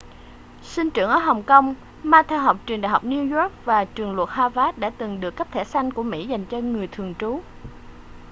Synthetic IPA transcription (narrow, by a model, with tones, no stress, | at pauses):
si˧nt͡ɕɨ˧˩əŋʔəː˧˦ɦə˨˩wŋ͡mkə˧wŋ͡m | maː˧t̪ʰɛ˧wɦɔ˨˩k͡p̚t͡ɕwi˨˩nɗa̰˧˨ɦa˨˩wk͡p̚ni˧zɔ˦˥k̚vaː˨˩t͡ɕɨ˨˩əŋlwə˨˩t̚haː˧vaː˨˦˥ɗa̰ː˧˥t̪ɨ˨˩ŋɗɨ˨˩əkːə˦˥p̚t̪ʰɛ˧˩sa˧jŋ̟ku˧˩əmḭ˧˥za˨˩jŋ̟t͡ɕɔ˧ŋɨ˨˩əjt̪ʰɨ˨˩əŋt͡ɕu˨˦